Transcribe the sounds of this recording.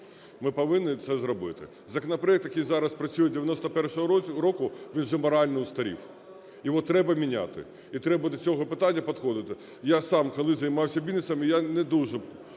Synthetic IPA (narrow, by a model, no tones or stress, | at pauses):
mɪpɐʋɪnːɪt̪sɛzrɔbɪt̪ɪ̰ | zɐkɔnɐpɾɔɛk̚t̪jɐkijzɑɾɐspɾɐt͡sʲujɛd̪ʲeʋʲjɐnɔst̪ɐpɛrʃɔɦɔɾɔkʊʋʲinʒɛmɔɾɑlʲnɪʊst̪ɐɾʲḭw | jiʋɔt̪ɾɛbɐmʲinʲa̰t̪ɪ̰ | it̪ɾɛbɐd̪ɔt͡sʲɔɦɔpɪt̪ɑnʲːɐpɔd̪xɔd̪ɪt̪ɪ | jasɑmkɔlˠɪzɐjmɑwsʲɐbʲilʲnɪsɐmɪjanɛd̪uʒɛ